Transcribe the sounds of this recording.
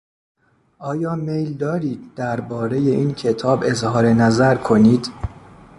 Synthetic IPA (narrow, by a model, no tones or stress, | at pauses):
ʔɒːjɒːmejld̪ɒːɾiːd̪̚d̪æɾbɒːɾe̞je̞ʔiːncʰe̞t̪ʰɒːbe̞zhɒːɾe̞næzæɾkʰo̞niːd̪